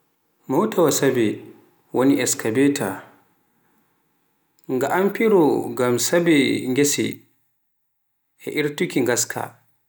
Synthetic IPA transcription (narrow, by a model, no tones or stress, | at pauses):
mɔwtawasabi | woniʔɛskʰabɛtʰa | ŋɡaʔampiɾɔɡamsabɛŋɡesɛ̰ | ʔɛ̰ʔiɾtukiŋɡaskʰa̰